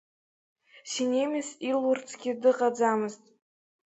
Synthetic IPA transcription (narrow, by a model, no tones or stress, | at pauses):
sinʲemʲɪsilʊrt͡sʰʼɡʲɪdɨqʼad͡zamɨztʼ